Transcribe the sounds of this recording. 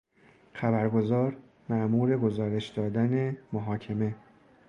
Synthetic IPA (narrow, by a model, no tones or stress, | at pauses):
xæbæɾɡo̞zɒːɾ | mæʔmuːɾe̞ɡo̞zɒːɾe̞ʃd̪ɒːd̪æne̞moɦɒːcʰeme̞